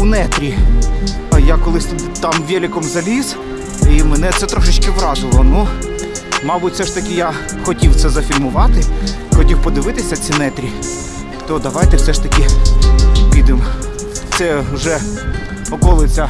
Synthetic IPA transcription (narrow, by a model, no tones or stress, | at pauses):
unɛt̪ɾʲi | ɐjɑkɔlˠɪsʲt̪t̪ɑmʋʲɛlʲɪkɔmzɐlʲiz | imenɛt̪sɛt̪ɾɔʃɪt͡ʃkɪʋɾɑzɪlˠɔnu | mɑbʊtʲfsɛʃt̪ɐkʲɪjɑ | xɔtʲiwt̪sɛzɐfʲilʲmʊʋɑt̪ɪxɔtʲiwpɔd̪ɪʋɪt̪ɪsʲɐt͡sʲinɛt̪ɾʲi | t̪ɔd̪ɐʋɑjt̪ɛwsɛʃt̪ɐkʲɪ | pʲid̪ɪm | t̪sɛʊʒɛ | ɔkɔlˠɪt͡sʲɐ